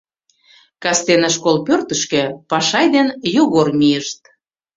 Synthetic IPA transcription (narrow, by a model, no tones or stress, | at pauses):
kɑst̪enɑʃkolpørt̪ə̆ʃkĕpɑʃɑjd̪enjoɣormijəʃt̪̚